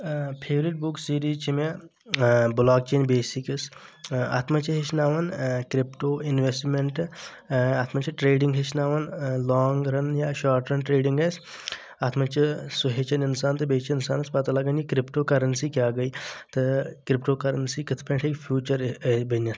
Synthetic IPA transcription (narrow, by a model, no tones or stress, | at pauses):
pʰeːʋɾiʈ̚buksiːɾiːzt͡ʃʰime | blaːk̚t͡ʃeːnbeːsikɐsa̰ːt̪ʰmɐt͡ʃʰiɦet͡ʃʰnaːʋɐnkɾipʈoːɪnʋesʈmeɳʈ | aːt̪ʰmɐt͡ʃʰiʈɾeːɖiŋɡɦet͡ʃʰnaːʋɐnlɔːŋɡɾɐnjaʃaːɾʈɾɐnʈɾeːɖiŋɡɐs | aːt̪ʰmɐt͡ʃʰisuɦet͡ʃɐninsaːnt̪ɨbeːt͡ʃʰinsaːnɐspɐt̪ɐlɐɡɐnikɾɪpʈoːkɐɾɐnsiːkjaːɡɐit̪ɨkɾɪpʈoːkɐɾɐnsiːkit̪ʰpʰɐ̃ɳʈʰekpʰjuːt͡ʃɐɾbɐnːɐt̪ʰ